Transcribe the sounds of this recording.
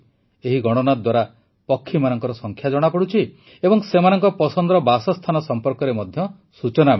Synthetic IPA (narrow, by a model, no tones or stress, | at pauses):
eɦiɡɔɽ̃ɔnad̪waɾa | pɔkʰːimanɔŋkɔɾɔsɔŋkʰjad͡ʒɔɽ̃apɔɽut͡ʃʰi | ebɔŋsemanɔŋkɔpɔsɔnd̪ɾɔbasɔst̪ʰanɔsɔmpɔɾkɔɾemɔd̪ʱjɔ | sut͡ʃɔna